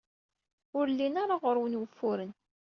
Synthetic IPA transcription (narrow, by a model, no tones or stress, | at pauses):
ʊɾlːinaɾaʁʊɾwənwəfːʊɾən